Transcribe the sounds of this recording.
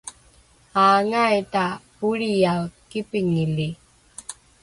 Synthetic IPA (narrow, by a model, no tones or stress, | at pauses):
aːŋajtapuɾijakipiŋili